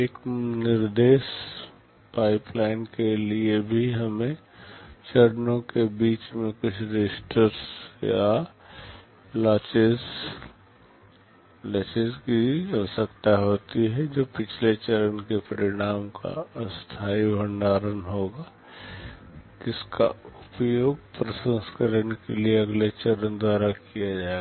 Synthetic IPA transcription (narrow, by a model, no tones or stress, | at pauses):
eːknɪɾd̪eːʃ | paːɪplaːɪnkeliebʱiɦɐmẽ | t͡ʃəɾnõkebiːt͡ʃmẽkʊt͡ʃʰɾɪsʈəɾsja̰ | laːt͡ʃez | lat͡ʃezkiəsəkt̪aɦoːt̪iɦɛd͡ʒoːpɪt͡ʃʰlet͡ʃəɾənkepəɾɪɽ̃aːmka̰st̪ʰaːibʱənɖaːɾənɦoːɡa | d͡ʒɪska̰ʊpjoːɡpɾəsə̃nskəɾənkelieɐɡlet͡ʃəɾənd̪waːɾakijad͡ʒaːea